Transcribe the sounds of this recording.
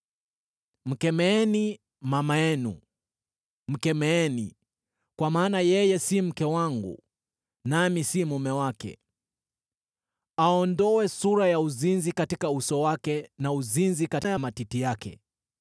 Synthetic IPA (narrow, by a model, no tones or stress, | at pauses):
m̩kɛmɛɛni | mamajɛnṵ | m̩kɛmɛɛnḭ | kwamaːnajɛjɛsim̩kɛwaŋɡṵ | namisimumɛwakɛ̰ | aɔndɔwɛsuɾajauzinzikatikausɔwakɛnauzinzikajamatitijakɛ̰